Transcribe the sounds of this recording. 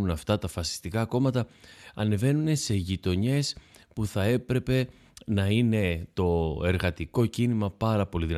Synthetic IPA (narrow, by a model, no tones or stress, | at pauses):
unɐft̪ɐt̪ɐfɐsi̥st̪ikɐːko̞mɐt̪ɐɐne̞ve̞nune̞se̞ʝit̪o̞ɲe̞s | puθɐe̞pɾe̞pe̞ | nɐine̞t̪o̞e̞ɾɣɐt̪iko̞cinimɐpɐɾɐpo̞liðin